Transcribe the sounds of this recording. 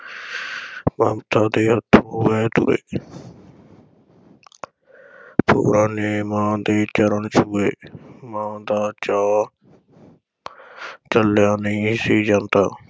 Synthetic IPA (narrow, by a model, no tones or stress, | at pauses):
maːmt̪ʰaːd̪eːɦət̪ʰːuːʋeːt̪ṵɾḛː | pʰṵːɾaːneːmãːd̪eːt͡ʃəɾənt͡ʃuːeːmãːd̪aːt͡ʃaː | t͡ʃəlːjaːnesiːd͡ʒãːnt̪aː